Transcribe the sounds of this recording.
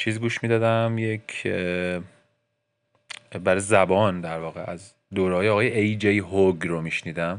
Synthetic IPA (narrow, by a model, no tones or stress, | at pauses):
t͡ʃʰiːziɡuːʃmiːd̪ɒːd̪æmjecʰ | bæɾɒjezæbɒːnd̪æɾvɒːɣeʔæz | d̪oːɾɛhɒːjeɒːɣɒːjeejd͡ʒejɦoɡɾomiʃniːd̪æm